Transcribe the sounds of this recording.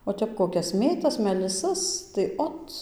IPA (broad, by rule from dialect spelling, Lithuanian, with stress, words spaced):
oː ˈtʲɛp koːˈkʲɛs ˈmʲeːtɐs mʲɛlʲɪˈsɐs tɐɪ ˈoːt